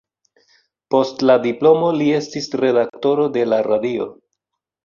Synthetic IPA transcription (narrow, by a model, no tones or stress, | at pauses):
po̞stladiplo̞mo̞lie̞stisɾe̞dakto̞ɾo̞de̞laɾadio̞̰